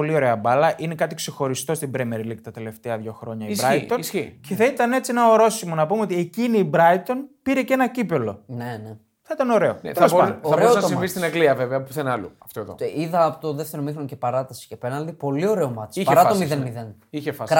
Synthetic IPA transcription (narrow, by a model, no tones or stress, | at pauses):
po̞lio̞ɾe̞ɐbɐlɐʔine̞kɐt̪ikse̞xo̞ɾist̪o̞st̪ibɾemeɾlikt̪ɐt̪e̞le̞ft̪eɐðʝo̞xɾo̞ɲɐisbɾɐosçice̞θɐit̪ɐne̞t͡sienɐoɾo̞simonɐpumeo̞t̪ie̞ciniːbɾɐit̪o̞npiɾe̞ce̞nɐcipe̞lo̞nene | θɐit̪ɐno̞ɾe̞oneɐoɐɐɾosɐsifist̪inɐɡliɐveveɐpuθenɐlṵɐft̪oeðo̰iðɐːpot̪oðeft̪eɾomixɾoncepɐɾɐt̪ɐsi̥cepenɐnd̪ipo̞lio̞ɾeomɐt̪sipɐeɾɐomiðenmiðen | içefɐs